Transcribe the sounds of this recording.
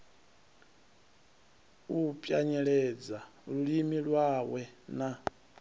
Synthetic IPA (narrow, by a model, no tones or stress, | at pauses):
upʼjaɲɛɺɛd͡zaɺuɺimiɺwawɛna